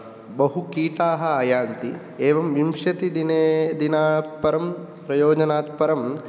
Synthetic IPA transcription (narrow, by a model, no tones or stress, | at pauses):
bɐɦukiːʈ̪aːɦɐaːjaːnt̪i | eːʋɐmʋimʂjɐt̪id̪ineːd̪inaːt̪̚pɐɾɐmpɾɐjoːd͡ʒɐnaːt̪̚pɐɾɐm